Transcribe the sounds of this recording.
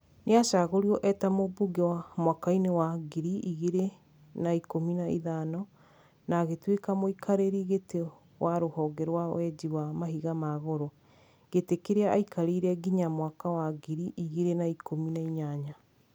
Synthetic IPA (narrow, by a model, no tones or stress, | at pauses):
neaʃaɣoɾiɔʔɛtamobuɡewamwakainewaɡiɾiiɣeɾe | naikominaḭðanɔ | naɣetwekamoikʰaɾeɾiɣete | wʔaɾohɔːɡɛɾwawɛd͡ʒiwamaɦiɣamaɣoɾo | ɣ̥etekeɾeaʔaikʰaɾeɾɛɡiɲamwakawaɡiɾiʔiɣeɾenaikominaiɲaɲa